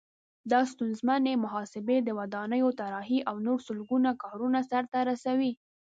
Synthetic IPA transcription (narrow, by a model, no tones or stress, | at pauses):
d̪ɑst̪unzmanemʊɦɑsɪbed̪əwad̪ɑnəjot̪aɾɑɦiʔawnoɾsʊlɡunakɑɾunasaɾt̪aɾasawi